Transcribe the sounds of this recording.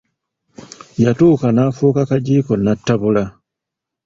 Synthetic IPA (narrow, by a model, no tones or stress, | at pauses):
jatuːkanaːfuːkakaɟiːko̞natːaβula